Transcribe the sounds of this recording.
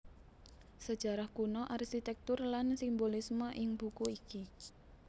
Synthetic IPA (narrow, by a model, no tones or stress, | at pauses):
səd̥ʒ̥a̤ɾahkunɔʔarʃit̪ɛk̚t̪ʊrlansimbolisməʔɪŋb̥ṳkuiki